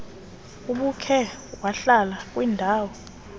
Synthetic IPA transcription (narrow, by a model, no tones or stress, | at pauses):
uɓukʰɛwaɬalak̬ʼwiːndʱaːwɔ